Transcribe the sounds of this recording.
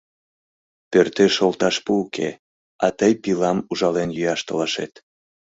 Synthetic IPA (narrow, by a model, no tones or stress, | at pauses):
pørt̪eʃolˠt̪ɑʃpuːkʰḛ | ɑ̰t̪əjpilɑmuʒɑlenjyjɑʃt̪ə̆lɑʃḛt̪